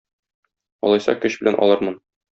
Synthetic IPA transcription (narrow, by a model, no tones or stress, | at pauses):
ɒ̰lˠɑjsɑ̰kɵɕbɘ̆lænʔɒ̰lˠɤɾmɤn